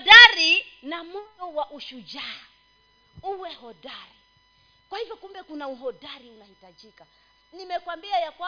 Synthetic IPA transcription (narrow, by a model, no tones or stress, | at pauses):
daɾinamujɔwaʔuʃud͡ʒaː | uwɛhɔdaɾi | kwahivjɔkumbɛkunauɦɔdaɾiunahitad͡ʒika | nimɛkwambiajakwa